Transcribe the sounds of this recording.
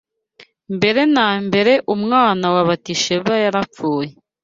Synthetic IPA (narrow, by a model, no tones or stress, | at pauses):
mbe̞ɾe̞nambe̞ɾe̞ʔumŋaːnawaβatiʃeβajaɾafuːje